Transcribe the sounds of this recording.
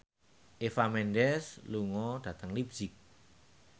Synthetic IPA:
ʔefamɛndɛsluŋɔd̥ä̤t̪əŋlibz̥ɪk̚

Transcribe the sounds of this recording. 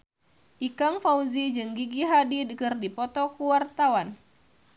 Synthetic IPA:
ʔikaŋfauzid͡ʒɨŋɡiɡiɦadidəkɨrdipɔt̪ɔkuwart̪awan

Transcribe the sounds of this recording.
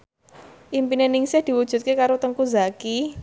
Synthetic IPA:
ʔimpinenɪŋsɪhd̪̥i̤wud̥ʒ̥ṳt̪̚kekaɾot̪əŋkuzaki

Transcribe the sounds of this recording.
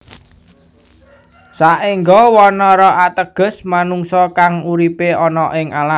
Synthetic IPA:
saʔiŋɡɔwɔnɔɾɔʔat̪əɡ̥ə̤smanuŋsɔkaŋuɾipeɔnɔʔɪŋala

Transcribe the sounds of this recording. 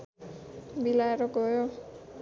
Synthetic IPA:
bilaeɾoɡʌjo

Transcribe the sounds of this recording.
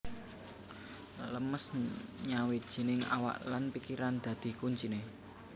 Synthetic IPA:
ləməsɲawe̥ʒ̥i̤nɪŋa̰wa̰ʔlanpikiɾand̪̥ä̤d̪̥i̤kuɲt͡ʃine

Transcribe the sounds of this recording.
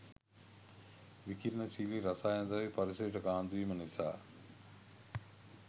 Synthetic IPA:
ʋikiɾnəsiliɾɐsaːjnd̪aʋipɐɾisɐɾiʈəkaːnd̪uʋiːmənisa̰ː

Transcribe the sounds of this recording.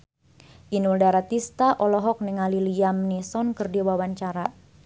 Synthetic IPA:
ʔinuldaɾat̪ist̪aʔɔlɔɦɔk̚niŋaliliamnisɔnkɨrdiwawaɲt͡ʃaɾa

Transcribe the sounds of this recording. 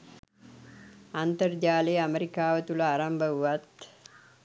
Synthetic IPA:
ant̪ərd͡ʒaːlejameɾikaːʋət̪uləaɾambəuʋat̪

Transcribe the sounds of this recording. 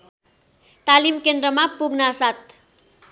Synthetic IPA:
t̪alimkend̪rʌmapuɡnasat̪̚

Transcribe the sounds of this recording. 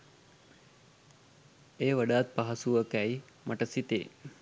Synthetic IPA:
eʋəɖat̪̚paɦasuʋəkai | məʈəsit̪ḛ

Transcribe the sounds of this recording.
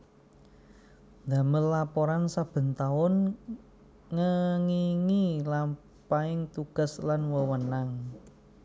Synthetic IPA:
nd̪ä̤mənlapɔɾansab̥ə̤nt̪aʊn | ŋəŋiŋila | paɪŋt̪uɡ̥a̤slanwəwənaŋ

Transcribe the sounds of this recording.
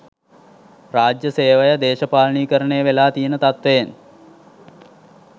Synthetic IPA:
raːd͡ʒjəseːʋəjəd̪eːʃəpaːlɳiːkəɾəɳejəʋelaːt̪ijənət̪at̪ʋejen

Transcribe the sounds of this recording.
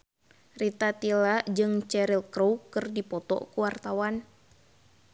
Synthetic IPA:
rit̪at̪ilad͡ʒɨŋt͡ʃɛɾilkɾowkɨrdipɔt̪ɔ̰kuwart̪awan

